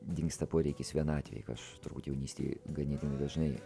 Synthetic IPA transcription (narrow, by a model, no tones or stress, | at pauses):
d̪ʲɪŋkst̪ɐpoːɾʲɛɪkʲɪsʋʲiɛnɑːt̪ʲʋʲɛ̰j̰kɐʃt̪ʊɾbuːt̪jɛʊnʲiːsʲt̪ʲḭɡɐnʲiːdʲɪnɐd̪ɐʒnɐɪ